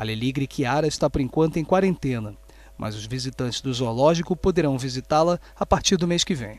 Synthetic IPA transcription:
ɐleliɡɾikʰiaɾɐɪʃt̪apʊɾẽŋkwɐ̃nt̪ʊẽj̃kwaɾẽnt̪ẽnɐ | mʔɐ̰zʊzvizit̪ɐ̃nt͡ʃɪ̥zd̪ʊzolɔʒikʊpod̪eɾɐ̃w̃vizit̪alɐ | apaɾt͡ʃiɾd̪ʊmejskɪvḛ̃j̃

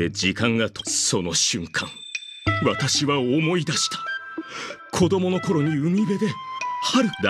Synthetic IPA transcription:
ed͡ʑikãŋɡat̪oso̞no̞ɕɨ̃ŋkʰã̰ŋ | βat̪aɕiβaomo̞id̪aɕi̥t̪ḁ | kʰo̞d̪o̞mo̞no̞ko̞ɾo̞ɲ̟iɯ̟mʲibe̞d̪e̞haɾɯ̟kɯd̪a

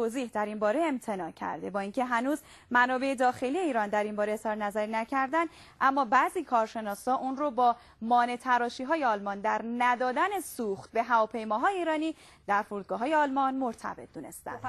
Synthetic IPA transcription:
oːziːhd̪æɾimbɒːɾeːmt̪ʰe̞nɒːcʰæ̰ɾd̪e̞bɒːiːŋcʰe̞ɦænuːz | mænɒːbe̞ed̪ɒːxe̞lie̞iːɾɒːnd̪æɾimbɒːɾesɒɾenæzæɾinæcʰæɾd̪ænd̪ | ʔæmːɒːbæziːkʰɒːɾʃe̞nɒːshɒːʔuːnrobɒː | mɒːne̞t̪ʰæɾɒːʃiːɦɒːjeɒːlmɒːnd̪æɾnæd̪ɒːd̪æne̞suːxt̪̚be̞ɦævɒːpʰe̞jmɒːɦɒːjeiːɾɒːniː | d̪̥æɾfuɾuːd̪̚ɡɒːɦɒːje̞ɒːlmɒnmoɾt̪ʰæ̰be̞t̪̚ʰd̪uːne̞̰st̪æ̰nd̪̥

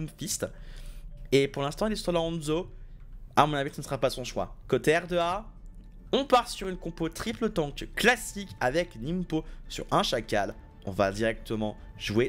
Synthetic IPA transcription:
umfist̪ | epuʁlɛ̃st̪ɑ̃ilɛst̪wɔlaɔ̃nzo | amɔ̃navit̪sənsəʁapasɔ̃ʃwa̰kot̪eɛʁd̪əa | ɔ̃paʁsyʁynkɔ̃pot̪χiplət̪ɑ̃kklasikavɛknimposy̰ʁɛ̃ʃakal | ɔ̰̃va̰d̪iʁɛk̚t̪əmɑ̃ʒue

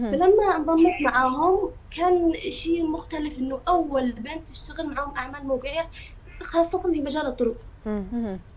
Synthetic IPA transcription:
falamːab̪ˤɑmːuːt̪maʕaːɦʊm | kaːnʃiːmʊxt̪alɪfʔɪnːʊʔawːalbeːnt̪ːɪʃt̪aɣɪlmaʕaːhʊmʔaʕmaːlmʊɡɪja | xɑːsˤːɑt̪ɑnfimad͡ʒaːlɨt̪ˤːʊɾʊq

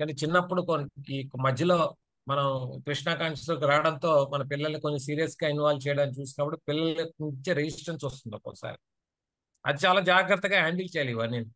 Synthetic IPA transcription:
kɐnːit͡ʃinːɐpːuɽukonkmɐd̪ʱjɐlo̞ː | mɐnɐmkɾiʂɳaːkaːŋsisɐlk̬iɾaːɽɐnt̪o̞ːmɐnɐpilːɐlnikonːisiːɾijɐsɡaːinʋaːlt͡ʃɛːjɽaːnit͡ʃuːsinɐpːɐʈipilːɐleut͡ʃeɾed͡ʒisʈɐnʈsost̪und̪ɐpːo̰sa̰ːɾ | ɐ̰d̪it͡ʃaːlaːd͡ʒaːɡɾɐt̪ːɐɡaːɦaːɳɖɐlt͡ʃɛjaliʋɐɾnenu

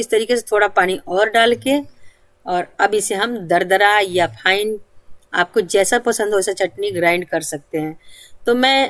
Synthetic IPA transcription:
ɪst̪ɐɾiːkes̬et̪ʰoːɽapaːñiʔɔːɾɖaːlke | ɔːɾɐbɪseɦɐmd̪ɐɾd̪əɾajapʰaːɪna̰ːp̚kod͡ʒɛːsapɐsə̃nd̪ɦoːsat͡ʃɐʈniɡɾãːɪ̃ɳɖ̚kɐɾsɐk̚t̪eɦɛ̃ːt̪omɛ̃ː

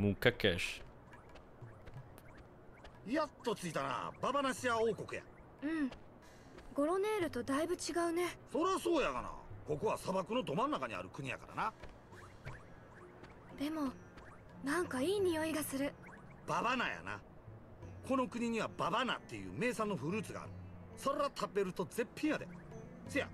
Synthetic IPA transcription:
mokakḛɕ | jat̪ːo̞t͡sɨit̪ana̰babanaɕiao̞ːko̞kɯ̟ja̰ | ɯ̟̃ɴ | ɡo̞ɾo̞ne̞ːɾɯ̟t̪od̪aibɯ̟t͡ɕiɡaɯ̟ne̞so̞ɾeβaso̞ːjakana̰ko̞koβasabakɯno̞d̪o̞mãnːakaɲ̟ia̰ɾɯ̟kɯ̟ɲ̟ija̰kaɾa̰na | d̪e̞mo̞ | nãŋkaiːɲ̟ijo̞iɡasɨɾɯ̟ | b̥abanaja̰na̰ | kʰo̞no̞kɯ̟ɲ̟iɲ̟iβababana̰t̪ːe̞jɯ̟̰ːme̞ːsãnːo̞ɸɯ̟ɾɯ̟ːt͡sɨɡa̰ːɾɯ̟ | so̞ɾeɾat̪ʰabe̞ɾɯ̟t̪o̞ze̞pʰʲːĩɰ̃jad̪e | sɨja̰

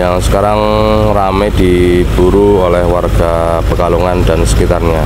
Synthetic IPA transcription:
jaŋsə̥kaɾaŋ | ramɛdi | b̥uɾuolɛhwarɡ̥a | bərkaluŋandansə̥kit̪arɲa

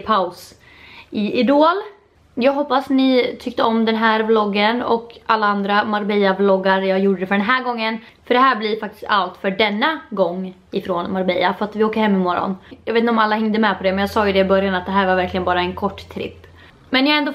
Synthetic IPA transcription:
pʰaʊs | ɪɪd̪oːl | jɑːɡɦɔpːasnɪt̪ʰʏk̚t̪əɔmd̪ɛnɦæːɾblɔɡːənɔ̰kalːaand̪ɾamaɾbɛjablɔɡːaɾjɑːɡjuːɖəd̪ɛfœɖɛnɦæːɾɡɔŋːən | fœɖɛɦæːɾblɪɾfak̚t̪ɪ̥st̪alt̪fœɖɛnːaɡɔŋː | ɪfɾoːnmaɾbɛjafœɾat̪vɪoːkəɾhɛmːɪmɔɾːɔ̰njɑveːt̪ɪɔmalːahɛŋd̪əmɛpʰɔd̪ɛmɛnjɑːsɑːjɵd̪ɛɪbœɾjanat̪̚d̪ɛɦæːɾvaɾvæɾklɪɡənbɑːɾaɛnkʰɔʈːt̪ʰɾɪ̰pː | mɛnjɑːaɛnd̪ɔ

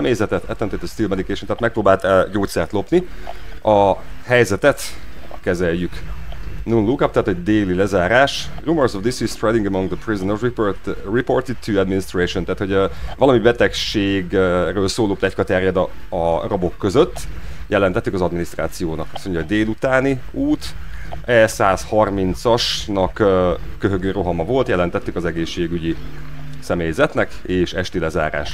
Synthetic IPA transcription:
ɛmeːzɛt̪ɛt̪ɛ̰t̪ːɛnt̪et̪ɛst̪ilmɛd̪ikɛːʃot̪aːt̪mɛk̚proːbaːlt̪ɟoːt̪sɛrt̪lo̞pniʔɒhɛjzɛt̪ɛt̪kɛzɛjjyk | nunlukapt̪ɛɦaːt̪ɛɟd̪eːlilɛzaːɾaːʃrumorsovd̪isist̪rɛd̪iŋɡəmɔŋɡd̪əprizonorririport̪id̪̚ʰuɛd̪minist̪reːʃont̪aːt̪ho̞ɟvɒlɒmibɛt̪ɛkʃeːɡrøːlsoːloːplɛckɒt̪ɛrjɛd̪ɒrɒbo̞kːø̞zøt̪ːjɛlɛnt̪ɛt̪ːikɒzɒd̪minist̪raːt̪sijoːnɒkɒso̞ɲɟɒoɟd̪eːlut̪aːniuːt̪ɛsaːshɒrmint̪sɒʃnɒkːkːøɦøɡøːɾo̞ɦɒmɒvo̞lt̪jɛlɛnt̪ɛt̪ːykɒzɛɡeːʃːeːɡyɟi | sɛmeːjzɛt̪nɛk | eːʃɛʃt̪ilɛza̰ːɾa̰ːʃ

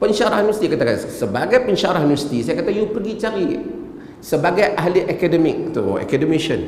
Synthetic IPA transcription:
pəɲt͡ʃaɾahnust̪ikat̪akansəbaɡajpəɲʃaɾahnust̪isajakat̪ajupərɡit͡ʃaɾi | səbaɡajʔaɦliʔakadəmɪk̚t̪ṵa̰kadəmiʃən

